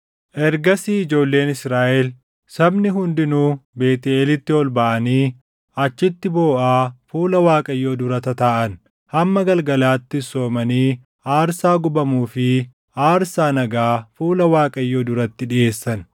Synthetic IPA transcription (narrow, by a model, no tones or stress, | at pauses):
ʔɛɾɡɐsiːɪd͡ʒo̞ːlːe̞ːnɪsɾaːʔɛl | sɐbnɪɦʊnd̪ɪnuːbe̞ːt̪ɪeːlɪt̪ːɪɔlbɐʔɐniː | ʔɐt͡ʃːɪt̪ːɪbo̞ːʔaːfuːlɐwaːkʼɐjːoːd̪ʊɾɐt̪ɐt̪aːʔɐn | hɐmːɐɡɐlɡɐlaːt̪ːɪso̞ːmɐniː | aːɾsaːɡʊbɐmuːfɪ | aːɾsaːnɐɡaːfuːlɐwaːkʼɐjːo̞ːd̪ʊɾɐt̪ːɪᶑɪʔe̞ːsːɐn